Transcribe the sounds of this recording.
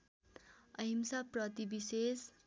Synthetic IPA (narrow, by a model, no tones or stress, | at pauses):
ʌɦimsaprʌt̪ibises